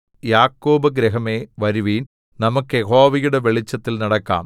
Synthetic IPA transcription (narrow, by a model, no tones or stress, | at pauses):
jaːkːoːbɐɡɾeɦɐmeːʋɐɾuʋiːn | nɐmukːɨjeɦoːʋijuɽe̞ʋeɭit͡ɕːɐt̪ːilnɐɽɐkːa̰ːm